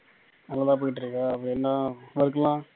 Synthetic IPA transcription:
nɐlːɐt̪ãːp̬oːjɪʈːɪɾɯkːaɐpːɐɽɪɛnːaʋɐɾkːɐlãː

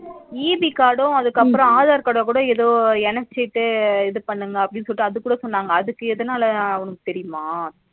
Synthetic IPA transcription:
iːbikaːɽõɐðɯkːɐpːɯɾɔ̃aːðaːɾkaːɽõkuːɽɐ̃eðoːɛnɐt͡ʃːɛʈ̪ːɯɛðɯpɐɳːɯŋɡɐːpːɐɽɪnːsɔlɪʈːɯɐðɯkːuːɽɐsɔnːaːŋɡɐːðɯkːɯɛðɐnaːlɐɔnɐkːɯ̥t̪ɛɾɪjʊmaː

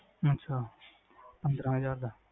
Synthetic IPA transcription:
ətːʃʰaː | pə̃nd̪ɾãːɦəzaːɾd̪aː

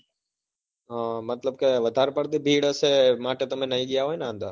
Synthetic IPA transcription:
ɦãmɐt̪ləbkeʋɐd̪ʱaːɾpəɽt̪ibʱiːɽəsemaːʈet̪ɐm̤ẽnɐiɠijaɦoːinaə̃nd̪a̰ː

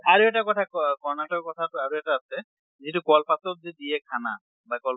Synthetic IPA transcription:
aɾoɛk̚ʈakɔt̪ʰakɔkɔɾnaʈɔkkɔt̪ʰaaɾoɛʈaasʰe | d͡ʑeʈukɔlpatob̚d͡ʒed̪iekʰana | bakɔl

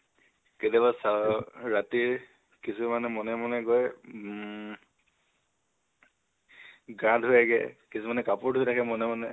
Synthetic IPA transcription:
ketabasaɹatiɹ | kisumanɛmɔnɛmɔnɛɡɔj | ɡãdʱʊjaɡɛ̰kisumanɛkapʊɹdʱʊjtʰakʰɛmɔnɛmɔnɛ

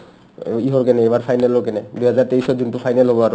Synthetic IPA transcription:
iɦɔɹkɛnɛejbaɹpʰajnɛlɔɹkɛnɛduɦazaɹteisɔzuntʊpʰajnɛlɦobɔaɹʊ

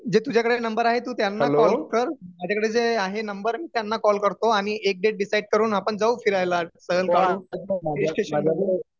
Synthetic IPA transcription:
d͡ʑet̪ud͡ʑʱjakəɽenəmbəɾaɦet̪uːt̪janːalkɔlkəɾmad͡ʑʱakəɽed͡zeaɦenəmbəɾmiːt̪janːakɔlkəɾt̪oaɽ̃iʔek̚ɖeʈ̚ɖisaiɖ̚kəɾuːnapəɳd͡zauːfiɾajlasəɡəlkauaesʈeɕəa

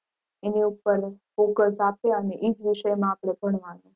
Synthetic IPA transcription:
eniupəɾfokəsapeəneʔid͡ʒʋiʃəjmãːpɽ̃eb̥ʱəɳ̃ʋãne

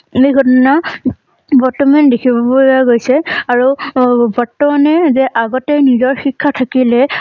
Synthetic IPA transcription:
ejɡʰʱɔtɔna | bɔtɔmandekʰibɔpoaɡojsɛaɹubʱɔtːɔmanɛzɛʔaɡɔtɛnizɔɹxikʰːatʰakilɛ

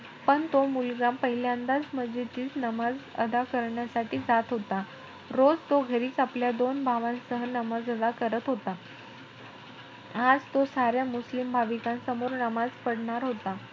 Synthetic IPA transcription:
pəɳt̪omulɡampəɦiljaənd̪ad͡zməd͡zet͡ɕiːt͡snəmad͡zə̰d̪akəɾɳjasaʈiːd͡zat̪ɦot̪a | ɾod͡zt̪oɡʱəɾiːt͡sapljad̪onbʱaʋãnsəɦənəmad͡zəd̪akəɾət̪ɦot̪a | ad͡zt̪osaɾjamuslimbʱaʋikãnsəmoɾnəmad͡zpəɽɳaɾɦot̪a

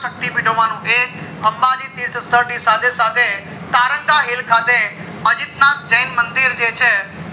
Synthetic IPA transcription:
ək̚t̪imɪːʈoʋaːnũʔeːkɦəmbadiːt̪iːɾt̪ʰəst̪əɾʈisaːd̪esaːd̪e | t̪aːɾə̃ŋɡaɦeːlkʰaːt̪e | əd͡ʒɪt̪naːt͡ʃəɪnmə̃nd̪ɪɾd͡ʒeːt͡ʃʰɛː

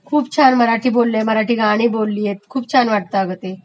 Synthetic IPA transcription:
kʰuːpt͡ɕʰanməɾaʈʰiːbolːeməɾaʈiːɡaɽ̃iːbolːiːjet̪̚kʰuːbt͡ɕʰanʋaʈ̚t̪aəɡət̪e

